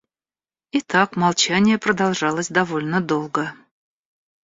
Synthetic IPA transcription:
it̪ɑkmɑlˠt͡ɕanʲɪjəpɾəd̪ɑlˠʐɑlˠəsʲd̪avolʲnəd̪olˠɡə

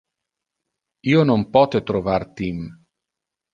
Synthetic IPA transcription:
iːonompɔt̪et̪ɾovart̪im

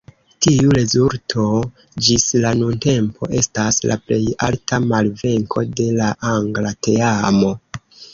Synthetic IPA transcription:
tiuɾe̞zuɾtʰo̞ | d͡ʒislanunte̞mpʰo̞̰ʔe̞stasla̰ple̞ja̰ltʰamalve̞ŋkʰo̞de̞laʔaŋɡlate̞amo̞

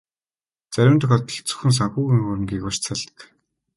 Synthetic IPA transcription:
t͡sæɾʲɪ̆nt̪ʰɔxɔːt̪ĭ̥xt͡sɵ̥̆xɘ̆ns̬axuːɣiŋxʊɾə̆mɡiːkɔt͡ɕt͡sʰaɮt̪ə̥̆k

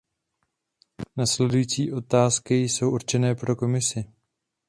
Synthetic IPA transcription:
naslɛdujit͡siːʔo̞t̪aːskɪjso̞wʔuɾt͡ʃɛnɛːpɾo̞ko̞mɪsɪ

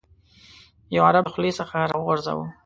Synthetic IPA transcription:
jawaɾabxlesəxaɾɑwəɣʊɾza̰wə̰

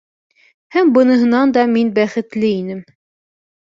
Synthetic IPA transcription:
hæmbɤ̆nɤ̆ɦɤ̆nɑnd̪ɑminbæχɘ̆t̪lɘinɘm

